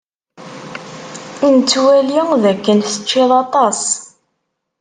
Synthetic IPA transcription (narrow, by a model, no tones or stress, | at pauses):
int͡sːwæliŋðækːənθə̥t͡ʃːɪðˤɑt̪ˤɑs